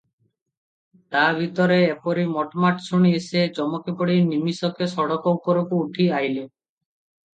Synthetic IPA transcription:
t̪abʱit̪ɔɾeːpɔɾimɔʈmaʈsuɽ̃iesed͡ʒɔmɔkepɔɽinimisɔkesɔɽɔkɔwkɔɾukuːʈʰiajle

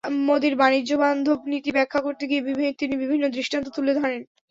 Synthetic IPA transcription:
mod̪iɾbanid͡ʑoband̪ʱobnit̪ibɛkʰːakoɾt̪eɡiebibʱt̪inibibʱinːod̪ɾiʃʈant̪ot̪uled̪ʱɔɾen

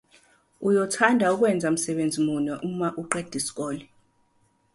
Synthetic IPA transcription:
ujɔtʰandʱauk̬ʼwɛnd͡zʱam̩sɛɓend͡zʱimunɔʔumaʔuǃed̥ʱisi̥k̬ʼɔːli

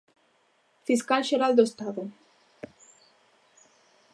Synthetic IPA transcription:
fiskalʃeɾald̪ost̪aðo

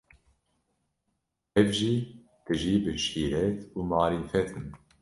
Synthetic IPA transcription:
ɛvʒiː | t̪ɨʒiːbɨʃiːɾɛt̪uːmɑːɾiːfɛt̪ʰɨn

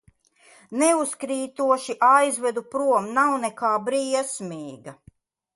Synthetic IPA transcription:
nɛuskɾiːt̪uɔʃiʔajzvɛd̪upɾuɔmnawnɛkaːbɾiːɛsmiːɡa

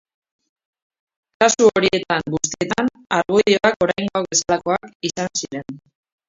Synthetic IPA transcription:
kasuoɾie̞t̪aŋɡust̪ie̞t̪an | aɾɣuioako̞ɾajŋɡoake̞salako̞akisansiɾe̞n

